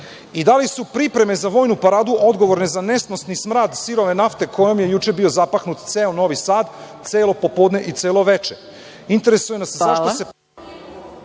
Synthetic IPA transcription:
id̪alisupɾipɾe̞me̞zaʋo̞jnupaɾaːd̪uʔo̞d̪ɡo̞ʋo̞ɾne̞zane̞snosnismɾaːd̪siɾo̞ʋe̞naft̪e̞kʰo̞jo̞mjejut͡ʃe̞bio̞zapaxnut̪t̪seːono̞ʋisaːd̪t̪seːlo̞po̞pod̪ne̞ʔit̪seːlo̞ʋe̞t͡ʃe | int̪e̞ɾe̞sujenaszaʃt̪ose

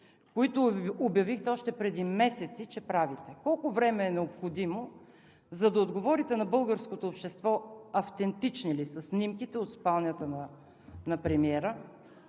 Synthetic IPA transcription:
koit̪ʊːbjɐvixt̪ɛɔʃt̪ɛpɾɛd̪imɛsɛt̪sit͡ʃɛpɾavit̪ɛkɔlˠkʊvɾɛmɛːnɛopxod̪imo | zɐd̪ɐod̪ɡovɔɾit̪ɛnɐbɤlˠɡəɾskot̪oːpʃt̪ɛst̪vɔɐft̪ɛnt̪it͡ʃnilisɐsːnimkit̪ɛot̪spalˠnʲət̪ənɐ | nɐpɾɛmiɛɾə

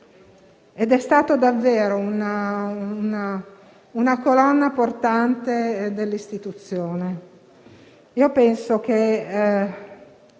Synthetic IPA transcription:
ed̪ɛst̪aːt̪od̪avːeːɾounauna | unakolɔnːaport̪ant̪ed̪elːist̪it̪ut̪sːjoːne | iːopɛnsok̟e

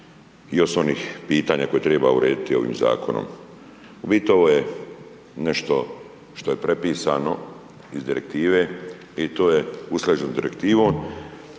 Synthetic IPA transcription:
ijosoniːxpiːt̪aːɲako̞je̞t̪ɾe̞ːba̰uɾe̞ːd̪it̪io̞̰ʋḭːmza̰ːkʰo̞no̰m | ubit̪oʋoje | neʃt̪o̞ | ʃt̪o̞je̞pɾe̞piːsaːno̞ | izd̪iɾek̚t̪iːʋeː | it̪oːjeuslʲed͡ʒenod̪iɾe̞kt̪iːʋo̞ːm

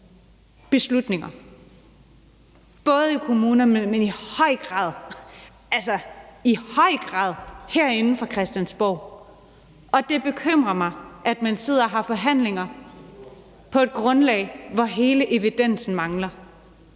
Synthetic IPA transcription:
b̥e̝slud̥ne̝ŋɐ | b̥ɔ̽ːð̞ˠikʰo̝muːnɐmemenihɒɪ̰ɡ̥ʁɑ̰̈ːð̰ˠ | ælsɐihɒ̽ɪ̰ɡ̥ʁɑ̰̈ːð̞ˠhæɐ̰e̝nn̩fɒ̽kʰʁɛsd̥jænsb̥ɒʊ̰ | ɒ̽d̥e̝b̥e̝kʰøm̰ʁɐmɑ̈ɪʔæd̥mænse̝ð̞̰ˠɐɦɑ̈fɒ̽ɦæn̰le̝ŋɐ | pʰɒ̽e̝d̥̚ɡ̥ʁɔ̽nlɛ̰ːɪʋɒɦe̝ːləʔe̝ʋid̥en̰sn̩mɑ̈ŋlɐ

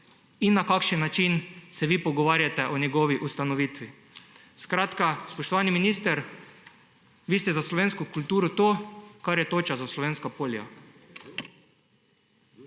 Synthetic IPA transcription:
inːakakʃənːat͡ʃinsɛʋipɔɡɔʋaːɾjat̪ɛʔɔnɛɡɔːʋiʔust̪anɔʋit̪ʋi | skɾat̪kaspɔʃt̪ɔʋaːniminiːst̪ɛɾ | ʋiːst̪ɛzaslɔʋeːnskʊkult̪uːɾɔt̪oːkaɾjɛt̪oːt͡ʃazaslɔʋeːnskapoːlia̰

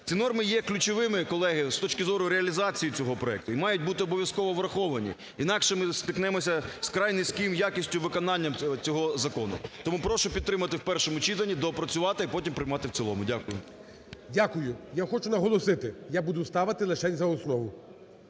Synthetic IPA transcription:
t͡sʲinɔrmɪjɛklʲʊt͡ʃɔʋɪmɪkɔlˠɛɦɪst̪ɔt͡ʃkɪzɔɾʊɾeɐlʲizɑt͡sʲijit͡sʲɔɦɔpɾɔɛk̚t̪ʊimɑjʊt̚ʲbut̪ɪɔbɔʋʲjɐskɔʋɔʋɾɐxɔʋɐnʲḭ | inɑkʃɛmɪst̪ɪknɛmɔsʲɐskɾɑjnɪsʲkɪmjakʲisʲtʲʊʋɪkɔnɑnʲːɐmt͡sʲɔɦɔzɐkɔnʊ̰t̪ɔmupɾɔʃʊpʲid̪t̪ːɾɪmɐt̪ɪwpɛrʃɔmʊt͡ʃit̪ɐnʲːid̪ɔpɾɐt͡sʲʊʋɑt̪ɪipɔtʲimpɾɪjmɑt̪ɪwt͡sʲilˠɔmʊdʲakʊjʊ̰ | dʲakʊjʊjaxɔt͡ʃʊnɐɦɔlˠɔsɪt̪ɪjabud̪ʊst̪ɑʋɪt̪ɪlˠɐt͡ʃɛnʲzɐɔsnɔʋʊ

